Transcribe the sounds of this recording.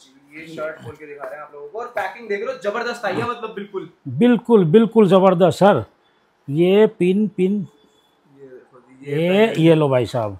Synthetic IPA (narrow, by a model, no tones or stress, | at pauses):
jeʃəɾʈboːlked̪ɪkʰaːɾẽaːploːɡokoɔːɾpɛːkɪ̃ŋɡd̪eːkʰlozɐbəɾd̪əst̪aːiɛ̃mɐt̪ləbːɪlkʊlbɪlkʊlbɪlkʊlzɐbəɾd̪əst̪sɐɾ | jepɪnpɪn | ejelobʱaːisaːb